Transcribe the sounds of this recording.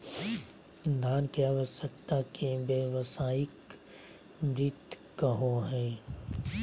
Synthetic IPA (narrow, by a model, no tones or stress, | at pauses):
d̪ʱaːnkiaːʋəsəkt̪akebjeʋəsaːɪk | mɾɪt̪ː | əɦoɦɛ̃ː